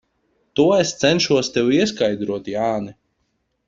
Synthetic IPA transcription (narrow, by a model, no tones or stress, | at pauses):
t̪uɔest̪sɛnʃuɔst̪ɛwiɛskajd̪ɾuɔt̪jaːnɛ